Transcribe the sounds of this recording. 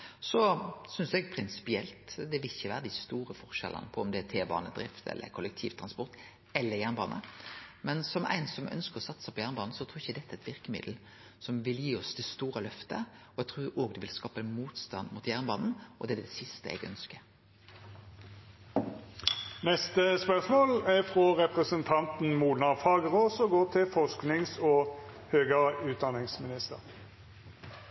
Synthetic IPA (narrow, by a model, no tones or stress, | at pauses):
sɔsʏnsɛɡpʰɾɪnsɪ̥pɪɛlt̪d̪ɛʋɪlɪçəʋæːɾəd̪æɪst̪uːɾəfɔʁʃɛ̰lʔə̰nəpʰɔɔmd̪ɛæt̪ʰeːbɑ̰ːnəd̪ɾɪft̪ʰɛ̰lːʔə̰kʰʊlək̚t̪ʰiːʋt̪ʰʁɑnspɔɾt̪ | ɛlːəɾjæːʁnbɑːnə̰mɛnsɔmʔæ̰ɪnsɔmʔœ̰nskəʁɔsɑt̪ːsæɪpʰɔjæːʁnəbɑːnn̩sɔt̪ʰɾuːɾɪçːəd̪ɛt̪ːæɪt̪ʋɪɾkəmɪ̰d̪l̩ | sɔmʋɪljiːɔsd̪ɛst̪uːɾəlœft̪ə̰ɔɛɡt̪ʰʁuːoːɡd̪ʉʋɪlskɑːpəmuːt̪st̪ɑ̰nd̪mut̪jæʁnəbɑ̰ːnn̩ʔɔd̪ɛd̪ɛsɪst̪əɛ̰ɡœ̰nskə | nɛst̪əspœʁsmoːlæfʁɔʁɛpʁəsənt̪ʰɑnt̪n̩muːnɑʁfɑːɡəʁoːsɔɡoːt̪ʰɪlfɔʁsknɪŋsɔː | høːɡəʁəʉːt̪̚d̪ɑnɪŋsmɪnɪst̪əʁ